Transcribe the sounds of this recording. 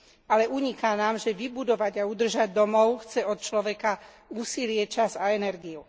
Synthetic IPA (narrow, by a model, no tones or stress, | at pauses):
alɛʔuɲikaːnaːmʒɛʋibud̪ɔʋaɟaud̪r̩ʒaɟd̪ɔmɔʊxt͡sɛɔt̪̚t͡ʃlɔʋɛka | uːsilɪɛt͡ʃazaɛnɛɾɡiu